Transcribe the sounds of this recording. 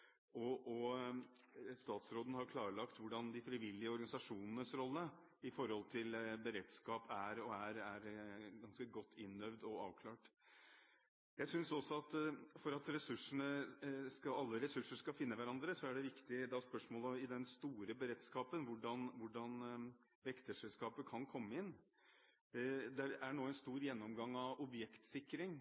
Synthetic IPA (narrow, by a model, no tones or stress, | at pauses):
ɔʔɔ | st̪ɑːt̪sɾoːd̪ən̩hɑɾkʰlɑːɾəɭɑkt̪ʋʊɖɑnd̪ɪfɾɪʋɪlːɪəɔɾɡɑnɪsɑʂuːnənəsɾɔlːə | ɪfɔɾhɔlt̪ʰɪlbəɾeːd̪skɑːpæɾɔæɾæɾɡɑnskəɡɔt̪ʰːɪnːœʋd̪ɔɑ̰ːʋkʰlɑːʈ | jæɪsʏnsɔsːɔɑt̪fɔɾɑt̪ɾɛsʉʂəɳəskɑɑlːəɾɛsʉʂəʂkɑlfɪnːəʋæɾɑnd̪ɾəsɔæɖɛʋɪkt̪ɪd̪ɛɑspœʂmoːlɔmɪd̪ɛnst̪uːɾəbəɾeːt̪skɑːpənʋʊɖɑnʋʊɖɑn | ʋɛkt̪əʂɛlskɑːpəkʰɑnkʰɔmːəɪnː | d̪ɛæɳoːɛnst̪uːɾjɛnːɔmɡɑŋːɑʋɔbjɛkt̪sɪkːɾɪŋ